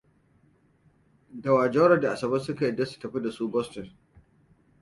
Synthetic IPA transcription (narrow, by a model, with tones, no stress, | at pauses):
dɐ˨waː˨d͡ʒɔ˦ɾɐ˨da˨ʔa˨sɐ˨bɐ˦sʊ˦ka˨jɪ˨dːɐ˦su̥˨tɐ˨ɸi˦da˨suː˦bɔ˦stɔ˨n